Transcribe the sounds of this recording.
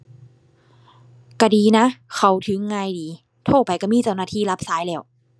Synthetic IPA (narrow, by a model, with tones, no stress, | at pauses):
ka˧˩diː˨na˦˥kʰa˧˩wt̪ʰɯ˨˦ŋːaː˧˨jdiː˨˦ | t̪ʰo˧˩pa˨jka˧˩miː˧˥˨t͡ɕa˧˩wnaː˧˩t̪ʰiː˧˥˩la˦˥p̚saː˧˦jlɛː˧˩w